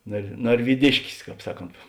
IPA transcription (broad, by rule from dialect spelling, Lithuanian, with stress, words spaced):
nɐr nɐrʲʋʲiːˈdʲɪʃʲkʲɪs ˈkɑːp ˈsɑːˌkoːnt